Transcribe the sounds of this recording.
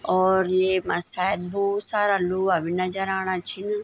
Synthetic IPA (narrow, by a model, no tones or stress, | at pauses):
ɔːɾjemasaːjəd̪̚bɔːt̪saːɾaloaʋɪnad͡ʒaɾaːɽ̃at͡ʃʰin